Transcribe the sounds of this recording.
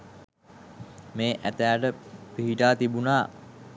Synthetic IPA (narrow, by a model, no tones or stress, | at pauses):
meːʔæt̪æːʈəpiɦiʈaːt̪ibunaː